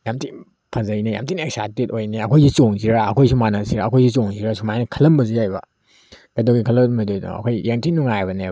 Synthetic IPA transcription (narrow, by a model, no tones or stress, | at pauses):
jamti | pʰazɐjneja̰mtinek̚satitojneɐkʰojzit͡ʃoŋziɾaːkʰojsumanasiɾaːkʰojzit͡ʃoŋziɾasumajnikʰɐlɐmbɐzujajba | ɡ̥ɐdoɡikʰɐlɐmajdojna̰ɐ̰kʰojjeŋtinuŋajbɐne